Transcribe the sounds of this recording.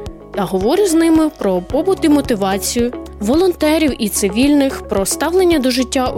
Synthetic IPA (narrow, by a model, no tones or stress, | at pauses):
t̪ɐɦɔʋɔɾʲɪznɪmɪpɾɔpɔbʊt̪imɔt̪ɪʋɑt͡sʲijʊʋɔlˠɔnt̪ɛɾʲiwʔit̪sɪʋʲilʲnɪxpɾɔst̪ɑwlˠenʲːɐd̪ɔʒɪtʲːa